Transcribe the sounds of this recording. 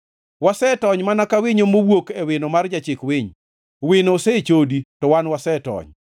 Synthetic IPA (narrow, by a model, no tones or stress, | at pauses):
wasɛtɔɲmanakawɪɲomowwokɛwɪnomard͡ʒat͡ʃɪkwɪɲ | wɪnosɛt͡ʃoditɔwanwasɛtɔ̰ɲ